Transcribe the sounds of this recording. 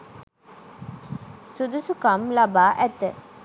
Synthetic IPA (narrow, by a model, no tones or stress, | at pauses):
sud̪usukamlabaːʔæt̪ə